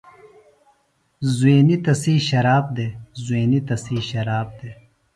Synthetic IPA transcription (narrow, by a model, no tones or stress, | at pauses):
zuweːnit̪ɐsiːɕɐɾaːb̚d̪eːzweːnit̪ɐsiːɕɐɾaːb̚d̪eː